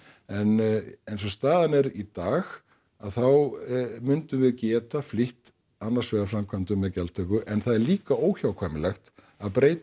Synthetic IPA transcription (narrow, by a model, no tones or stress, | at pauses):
ɛnejnsɔst̪aːðanɛɾit̪aːx | aðθawmʏnt̪ʏvɪðcɛːt̪afliht̪ | anːaɾ̥svɛɣafɾamkʰvant̪ʏmːɛðcɛlt̪ʰœkʏʔɛnθaðɛɾliːkaoːwçawkʰvaːjmɪlɛxt̪ | aðpɾeːjt̪